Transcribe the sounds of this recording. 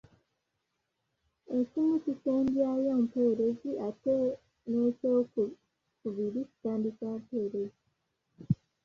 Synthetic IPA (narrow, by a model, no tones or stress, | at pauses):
e̞cimuciteːndjajompe̞ːɾe̞ziʔate | neːcok | kuβiɾici̥taːndikaːmpeːɾezi